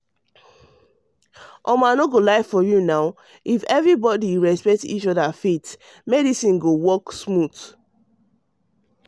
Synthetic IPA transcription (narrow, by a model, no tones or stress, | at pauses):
ʔɔmanoɡolaɪfɔjunaʊ | ifɛvɹibɔdiɹɛspɛk̚tḭt͡ʃɔdafet | mɛdisĩnɡowɔksmuθ